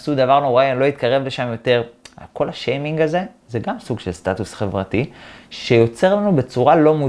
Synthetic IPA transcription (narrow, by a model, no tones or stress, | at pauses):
sud̪avaʁnoʁailo̞it̪kaʁe̞vle̞ʃamjo̞t̪e̞ʁa̰kʰo̞laʃejmiŋɡaze̞ | zeɡamsuɡʃelst̪atusχevʁatiʃe̞jo̞t͡se̞ʁlanube̞t͡suʁalo̞mu